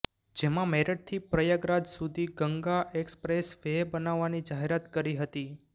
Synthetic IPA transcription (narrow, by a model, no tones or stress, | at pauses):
d͡ʒemãmɛɾəʈ̚t̪ʰipɾəjəɡɾad͡ʒsud̪ʱiɡəŋɡaʔekspɾesʋebənaʋːanid͡ʒaɦeɾat̪kəɾiɦət̪i